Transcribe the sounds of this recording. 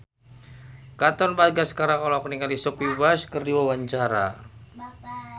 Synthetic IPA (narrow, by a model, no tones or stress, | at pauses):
kat̪ɔnbaɡasə̥kaɾakɔlɔkniŋalisɔpiwaskərdiwawaɲt͡ʃaɾa̰